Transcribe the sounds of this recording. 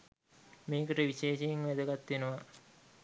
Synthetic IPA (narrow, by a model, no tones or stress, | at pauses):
meːkəʈəʋiɕeːʃejiŋʋæd̪əɡat̪ːenuʋɐ